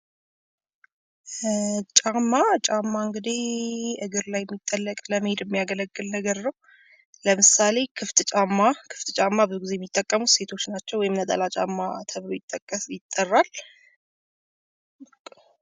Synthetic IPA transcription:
t͡ʃʼamːat͡ʃʼamːaɨŋɡɨd̪iɨɡɨɾlajːɛmːit̪ʼːəlːəkʼləmhed̪ɛmːijaɡələɡːɨlnəɡəɾnəw | ləmɨsale̞kʰɨft̪ʼt͡ʃʼamːakʰɨft̪ʼt͡ʃʼamːabɡizejɛmːit̪ʼːəkʼːəmuse̞t̪ʰot͡ʃːnat͡ʃːɛwɔjɪmnət̪ʼə̰lat͡ʃʼa̰mːat̪ʰəβlojɪt̪ʼːəkʼːəsjɪt̪ʼːərːal

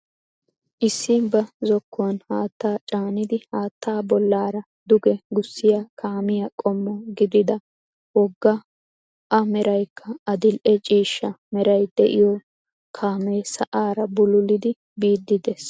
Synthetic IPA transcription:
ʔɪsːɪbɐzɔkːʊwɔnhaːt̪ːaːt͡ʃʼaːnɪd̪ɪhaːt̪ːaːbɔlːaːɾɐ | d̪ʊɡɛɡʊsːɪjakʰaːmɪjɐkʼɔmːɔɡɪd̪ɪd̪ɐ | wɔɡːɐ | ʔɐmɛɾɐjkʰːɐɐd̪ɪlʔɛt͡ʃʼiːʃːɐmɛɾɐjd̪ɛʔɪjɔ | kʰaːmɛːsɐʔaːɾɐbʊlʊlɪd̪ɪ | biːd̪ːɪd̪ɛs

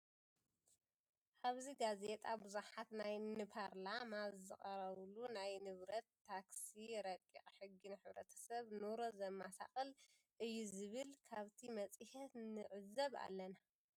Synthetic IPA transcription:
ʔaβziɡaze̞t̪ʼabɨzuħat̪najnɨpʰaɾlamazzɨ̰χʼɐɾɐβlunajnɨβɾɐt̪ːaksiɾɐkʼːḭχʼħɨɡːinħɨβɾɐ̰t̪ʰɐ̥sɐβnuɾozɐmːasʰa̰χʼɨl | ʔɨjːuzɨβɨlkʰaβt̪ʰimɐt͡sʼɨhɛt̪nɨʕɨzɐβa̰lːɐna

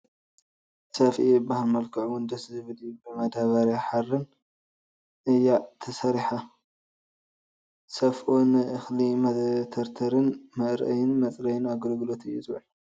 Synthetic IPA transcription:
sɐfʔibahalmɐlkʰɐʕwund̪ɐszɨβɨlibɨmɐd̪aβaɾjaħarːɨn | ʔɨjːat̪ʰɐsɐɾiħa | sɐfʔonɨʔɨxlimɐt̪ʰɐɾt̪ʰɐɾɨnmɐɾʔɐjɪnmɐt͡sʼɾɐjɪnaɡlɡlo̞t̪ɨjːuzʼβɐħ

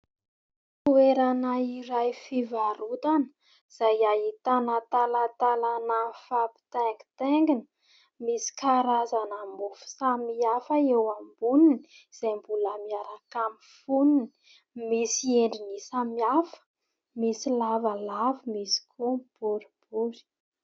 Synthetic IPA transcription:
t̪ueɾanaiɾajfivaɾut̪anə̥ | z̥ajait̪anat̪alat̪alanafapi̥t̪eŋɡi̥t̪eŋɡinə | misi̥kaɾazanamufu̥samiafəewambunini | iz̥ajmbuləmiaɾakamifunini̥ | misieɳɖ͡ʐinisamiafə̥ | misilavalavimisi̥kʰumb̥uɾib̥uɾi̥

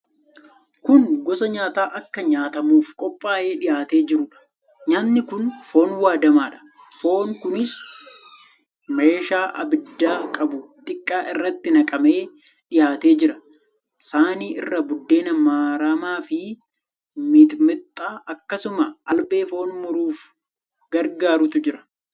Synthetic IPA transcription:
kʊnɡɔsɐɲaːt̪aːʔɐkːɐɲaːt̪ɐmuːfkʼɔpʼːaːʔe̞ːᶑɪjaːt̪e̞ːd͡ʒɪɾʊᶑɐ̥ | ɲaːnːɪkʊnfo̞ːnwaːd̪ɐmaːᶑɐ̥ | fo̞ːnkʊnɪs | meːʃaːʔɐ̰bɪd̪ːaːkʼɐbʊt̪ʼɪkʼːaːʔɪrːɐt̪ːɪnɐkʼɐmeː | ᶑɪjaːt̪e̞ːd͡ʒɪɾɐ̥ | saːniːʔɪrːɐbʊd̪ːe̞ːnɐmːaːɾaːmaːfɪ | mɪd̪mɪt̪ʼːaːʔɐkːɐsʊmɐʔɐlbe̞ːfo̞ːnmʊɾuːf | ɡ̥ɐɾɡaːɾʊt̪ʊd͡ʒɪɾɐ̥

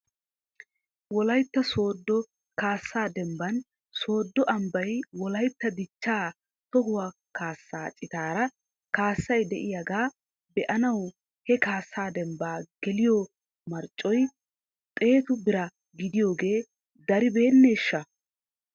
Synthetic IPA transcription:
wɔlɐjt̪ːɐso̞ːd̪ːɔ | kaːsːaːd̪ɛmbɐn | so̞ːd̪ːɔʔɐmbɐjwɔlɐjt̪ːɐd̪ɪt͡ʃːaː | t̪ɔhʊwaː | kaːsːaːt͡ʃʼɪt̪aːɾɐ | kaːsːɐjd̪ɛʔɪjaɡaː | bɛʔɐnɐw | hɛkaːsːaːd̪ɛmbaːɡ̥ɛlɪjɔ | mɐɾt͡ʃʼːɔj | t̪ʼe̞ːt̪ʊbɪɾɐ | ɡɪd̪ɪjo̞ːɡe̞ː | d̪ɐɾɪbe̞ːnːeːʃːɐ

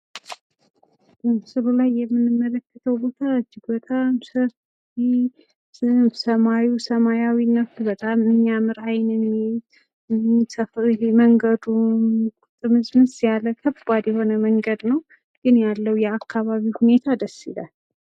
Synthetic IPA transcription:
ɨmsɨlulajːɛmːɨnːɨmːələkːə̥t̪ʰəwbo̞t̪ʰaɨd͡ʒːɪɡbət̪ʼamsəf | i | msəmajusəmajawinːəfbət̪ʼamɨɲːamɨɾajnɨnet̪ | ɨmsəfleməŋɡəd̪umkʼʊt̪ʼːɨmɨzmɨnsjaləkʰəbad̪jɛho̞nəməŋɡəd̪nəw | ɡ̥ɨnjalːəwjɛakːaβaβihune̞t̪ʰad̪əsila̰l

